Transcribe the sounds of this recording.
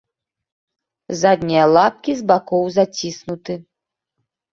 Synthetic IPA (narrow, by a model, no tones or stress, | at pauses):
zad̪ʲnʲijɐlˠap̚kʲizbakɔwzat͡sʲisnut̪ɨ